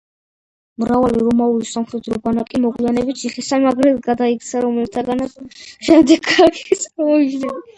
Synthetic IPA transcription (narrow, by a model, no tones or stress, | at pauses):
mɾavaliɾɔmaulisamχɛd̪ɾɔbanakʼimɔɡlianɛbit̪sʰiχisanaɡɾɛlɡad̪aikt̪sʰaɾɔmɛlt̪ʰaɡanat̪sʃɛmd̪ɛɡaɾkisamɔiʃnɛn